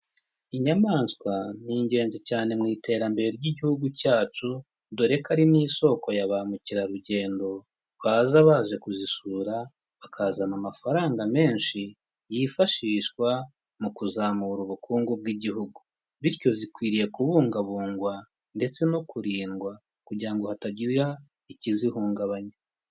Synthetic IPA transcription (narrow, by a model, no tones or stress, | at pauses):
iɲamaːnskwaniːɲɟe̞ːnzicaːne̞mŋiːte̞ːɾambe̞ɾeɾɟiɟihuɡucaːt͡ʃu | doɾe̞kaɾiniːso̞ko̞jaβamuciɾaɾuɟe̞ːndo̞ | βaːzaβaːʒe̞kuzisuːɾa | βakʰazanamafaɾaːŋɡame̞ːnʃi | jifaʃiːʃkwa | mukuzaːmuɾuβukʰuːŋɡob̚ɡiɟihuɡu | βiɾco̞zikwiːɾije̞kuβuːŋɡaβuːŋɡwa | nde̞t͡se̞no̞kuɾiːŋɡwa | kuɟiɾaŋɡo̞hataɟija | icizihuːŋɡaβaɲa